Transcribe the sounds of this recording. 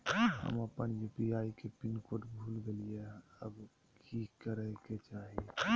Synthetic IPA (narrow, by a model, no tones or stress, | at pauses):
hə̰məpənjupiaikepinkoʈbʱuːlɡelieəb | kʰikəɾəket͡ʃaːɦi